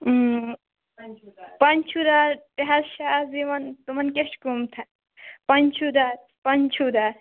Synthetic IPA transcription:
pɐnt͡ʃʰud̪apeɦɐɾʃaːziʋɐnt̪umɐnkeʃkumt̪ʰɐ | pɐnt͡ʃʰud̪a | pɐnt͡ʃʰud̪a

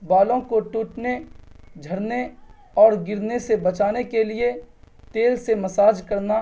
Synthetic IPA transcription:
baːlõkoʈuːʈned͡ʒʱɐɾne | ɔːɾɡɪɾnesebɐt͡ʃaːnekelie | t̪eːlsemɐsaːd͡ʒkəɾna

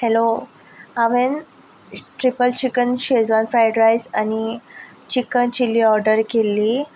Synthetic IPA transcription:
helo | aʋen | ʈɾipəlt͡ɕikənɕed͡zʋanfɾajɖɾajsani | t͡ɕikənt͡ɕilːiɔɾɖəɾkelːiː

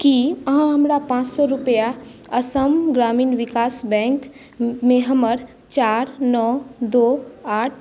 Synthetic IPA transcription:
kiəɦãɦəmɾapãːt͡ʃsɔɾʊpəjaəsəmɡɾaːmiːnʋɪkaːsbɛ̃ːŋk | mẽɦəməɾ | t͡ʃaːɾnɔːd̪oːaːʈʰ

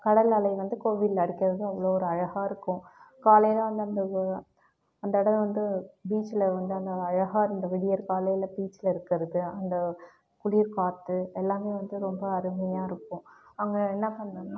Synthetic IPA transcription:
kɐɽɐlɐlɐɪʋɐnd̪ɯkoːʋɪllɐɽɪkːɪɾɐðɯɐʋɐɭoːɔɾɯɐɻɐɣaːɪɾɯkːʊ̃kaːlɐjlãʋɐnd̪ɯɐnd̪ɐ | ɐnd̪ɐɪɽɐʋɐnd̪ɯbiːt͡ʃːɪlɐʋɐnd̪ɯɐnd̪ɐːɻɐɣaːɾɐnd̪ɐʋɪɽɪjɐɾkaːlɐjlɐbiːt͡ʃːɪlɐɪɾɯkːɐɾɐðɯɐnd̪ɐ | kʊliːɾkaːt̪ːɯɛlːaːmeːʋɐnd̪ɯɾɔmbɐːɾɯmɐjaːɪɾɯkːʊ̃ɐŋɡɐɛnːɐpɐɳd̪ɐːnaː

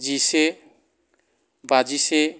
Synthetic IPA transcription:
d͡ʒise | bad͡ʒise

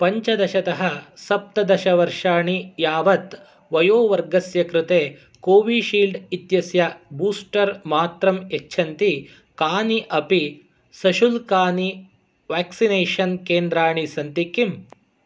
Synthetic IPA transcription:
pɐɲt͡ʃɐd̪ɐʃɐt̪ɐɦɐsɐp̚t̪ɐd̪ɐʃɐʋɐɾʂaːɳijaːʋɐt̪ | ʋɐjoːʋɐɾɡɐsjɐkɾɪt̪eː | koːʋiʃiːlɖit̪jɐsjɐbuːsʈɐɾmaːt̪ɾɐmet͡ʃːʃʰɐnt̪i | kaːniʔɐpi | sɐʃulkaːni | ʋaːksineːʂɐnkeːnd̪ɾaːɳisɐnt̪ikːim

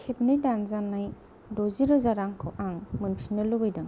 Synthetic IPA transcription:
kʰepnijdanzanːaj | doziɾɔzaɾaŋkʰɔʔaŋmɯnpʰinɯlubɯjdɯŋ

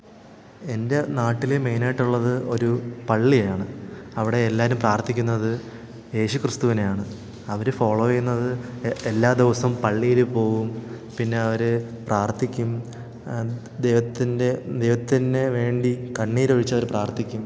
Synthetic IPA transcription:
e̞nde̞naːʈːileme̞jnaːjiʈːuɭːɐðɨʔo̞ɾupɐɭːiɐjaːɳɨɐʋiɽe̞ːlːaːɾumpraːrt̪ʰikʲːunːɐðɨ | je̞ːɕukrɨst̪uʋinejaːɳɨ | ɐʋɐɾɨfoːɭoːɐjunːɐðɨelːaːd̪iʋɐsɐmpɐɭːijilupo̞ːɣum | pinːe̞ɐʋɐɾɨ | praːrt̪ʰikʲːum | d̪ejʋɐt̪ːinded̪e̞jʋɐt̪ːinde̞ʋe̞ːɳɖikɐɳːiːɾoɻit͡ɕːɐʋɐɾpraːrt̪ʰikʲːum

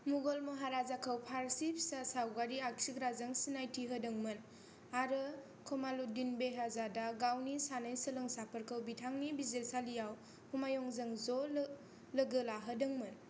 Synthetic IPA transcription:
muɡolmɯɦaɾazakʰəwpʰaɾsip̚sasawɡaɾiak̚sikɾazaŋsinajtʰiɦədɯŋmɯn | aɾɯ | kʰɔmaludinbeɦazadaɡawnisanajsəlɯŋsapʰəɾkʰəwbitʰaŋnibizelsalijaw | humajɔŋzɯŋzɔl | ləɡɯlaɦədɯŋmɯn

